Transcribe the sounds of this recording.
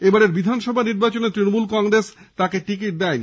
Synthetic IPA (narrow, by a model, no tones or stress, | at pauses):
ebaɾeɾbid̪ʱanʃɔbʱaniɾbat͡ɕonet̪ɾinomulkɔŋɡɾest̪akeʈikiʈ̚d̪ɛjn